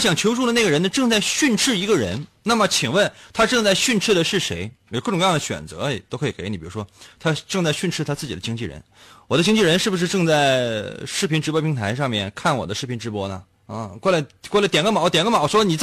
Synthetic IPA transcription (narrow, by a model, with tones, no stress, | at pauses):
ɕjɑ˨˩ŋt͡ɕʰjo˧˥ʊʂʰu˥˩lə˩na˥˩ɡə˩ɻə˧˥nd̪ə˧ʈ͡ʂɤ˥˧ŋt͡sa˥˧ɪɕy˥˧nʈ͡ʂʰɻ̩˥˩i˧˥ɡə˧ɻə̰˧˥nna˥˩mə˨˩t͡ɕʰi˨˩ŋwə˥˩nt̪ʰa˥ʈ͡ʂɤ˥˧ŋt͡sa˥˧ɪɕy˥˧nʈ͡ʂʰɻ̩˥˩d̪ə˩ʂɻ̩˥˩ʂe˧˥ɪ˨˩kɤ˥˩ʊ˨˩ŋ˧jɑ˥˩d̪ə˩ɕɥɛ̰˨˩nt͡sɤ̰˧˥˨t̪o˥ʊkʰɤ˧i˨˩ke˧˥ɪi˨˩pi˨˩˧ʂwɔ˥t̪ʰa˥ʈ͡ʂɤ˥˧ŋt͡sa˥˧ɪɕy˥˧nʈ͡ʂʰɻ̩˥˩t̪ʰa˥t͡sɹ̩˥˩t͡ɕi˨˩d̪ə˦t͡ɕi˥ŋt͡ɕi˥˩ɻə̰˧˥nwɔ˨˩d̪ə˦t͡ɕi˥ŋt͡ɕi˥˩ɻə˧˥nʂɻ̩˥˩bu˩ʂ̬ɻ̩˥˧ʈ͡ʂɤ˥˧ŋt͡sa˥˩ɪʂɻ̩˥˩pʰi˧˥nʈ͡ʂɻ̩˧˥pwɔ˥pʰi˧˥ŋt̪ʰa˧˥ɪʂ̬ɑ˥˧ŋmjɛ˥˩nkʰa˥˩nwɔ˨˩d̪ə˦ʂɻ̩˥˩pʰi˧˥nʈ͡ʂɻ̩˧˥pwɔ˥nə̰˨˥˧ | kɔ˥˩la˧˥ɪkwɔ˥˩la˥t̪jɛ˨˩nɡə˥mɑ˨˩˦ʊt̪jɛ˨˩nɡə˥mɑ˨˩˦ʊʂwɔ˥ni˨˩t͡s